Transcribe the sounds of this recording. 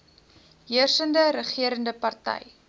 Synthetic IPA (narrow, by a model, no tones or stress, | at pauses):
ɦiərsəndəɾəχiəɾəndəpɐrtɛ̰j